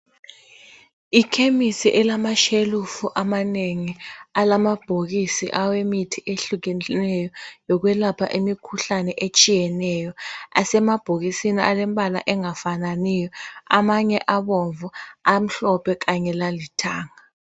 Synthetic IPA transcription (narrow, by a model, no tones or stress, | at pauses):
ikʰemisiʔɛlamaʃelufuʔamaneŋialamab̥ʱok̬isiʔawemitʰiʔeɬuk̬ɛnɛjɔjɔk̬wɛlapʰa̰ʔemikʰuɬanɛʔet͡ʃʼijɛnɛjɔasɛmab̥ʱok̬isiniʔalɛmɓʱʼala̰ʔɛŋafananijɔamaɲɛʔaɓoɱvuam̩ɬɔpʰɛk̬aɲɛlalitʰaːŋa